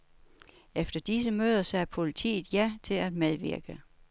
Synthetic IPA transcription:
efd̥ɐd̥isəmøːð̞ˠɐsæɐpʰo̝lit͡sʰḭːð̩ˠjæt͡sʰe̝læd̥meðˠʋiɐ̰ɡ̥ə

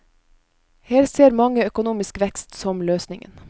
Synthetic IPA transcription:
heːɾseːɾmɑŋəœkʊnuːmɪskʋɛkst̪sɔmløːsnɪŋə̰n

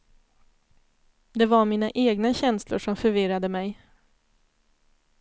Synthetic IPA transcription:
d̪ɛvaɾmiːnaʔeːɡnaɕɛnslʊ̰ʂɔmfœɾvɪɾad̪əmɛj

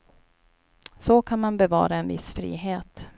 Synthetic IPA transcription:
sɔkʰanmanbɛvɑ̰ːɾaɛnvɪ̰sfɾḭːɦeːt̪

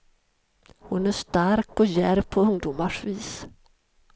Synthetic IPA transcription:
hʊnæʂt̪aɾkɔjæɾpʰɔɵŋd̪uːmaʂviːs

